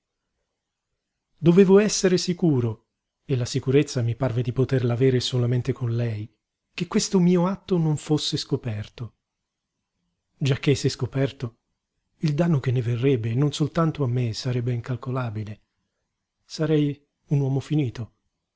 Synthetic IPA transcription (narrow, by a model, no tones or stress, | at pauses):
d̪oveːvoɛsːeɾesikuːɾo | elasikuɾet̪sːamiparved̪ipot̪erlaveːɾesolament̪ekonlɛj | kekːwest̪omiːoat̪ːonoɱfosːeskopɛrt̪o | d͡ʒak̟ːeseskopɛrt̪o | ild̪anːok̟enːeverːɛbːenːonsolt̪ant̪oamːesaɾɛbːeiŋkalkolaːbile | saɾɛj | unwɔːmofiniːt̪o